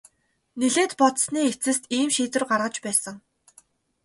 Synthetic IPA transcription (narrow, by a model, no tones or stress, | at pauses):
neɮeːt̪pɔt̪sniːet͡sɘ̆st̪iːmʃiːt͡s̪ɘ̆rɢarʁə̆t͡ɕpæːsə̆ŋ